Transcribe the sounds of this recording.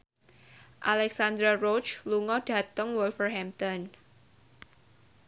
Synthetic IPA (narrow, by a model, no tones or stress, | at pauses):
ʔalɛksand̪ɾarot͡ʃluŋɔɖ̥a̤t̪əŋwɔlfərɦɛmt̪ɔn